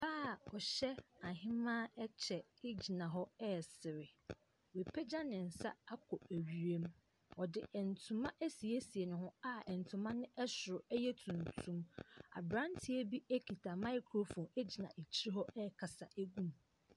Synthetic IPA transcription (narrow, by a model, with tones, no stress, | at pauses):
baː˦˨ɔ˨ɕɛ˦a˨ɦɪ̃˦mã˦ɛ˦t͡ɕʰɛ˨ɪ˦d͡ʑi˨nã˨ɦɔ˦ɛ˦˨sɪ˨ɾɪ˨ | we˨pʰɛ˦d͡ʑa˦nɪ̃˨n̩˨sa̰˦a˦kʰɔ˨æ˨ɥi˨ɾe˦m | ɔ˨dɪ˨ɛ˨n̩˨tʰũ˨mã˦ʔæ˦si˨e˦si˨e˨nʊ̃˨ɦʊ̃˦a˦ɛ˨n˨tʰʊ̃˨mã˦nɪ̃˦ʔɛ˦sʊ˨ɾʊ˨ɛ˦jɛ˦tʰũ˨n˨tʰũ˦ma̰˨bɾã˦n˦tʰi˦e˦bi˦æ˦kʰi˨tʰa˨mã˦ɪ˦kʰɾo˦fɔ̃˨ne˦d͡ʑi˨nã˨ʔe˨t͡ɕʰi˦ɾi˦ɦɔ˦ɛ˦˨kʰa˨sa˨ʔæ˦ɡũ˦m